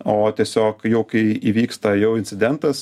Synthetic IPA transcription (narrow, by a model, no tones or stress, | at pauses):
oːt̪ʲiɛsʲoːkjɛʊkɐɪiʋʲiːkst̪ɐjɛʊɪnt̪ʲsʲɪd̪ʲɛnt̪ɐs